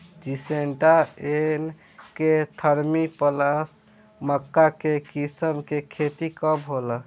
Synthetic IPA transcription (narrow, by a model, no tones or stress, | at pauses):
d͡ʒiseɳʈaen | ket̪ʰəɾmipəlas | məkːakekisəmkekʰet̪ikəbɦolə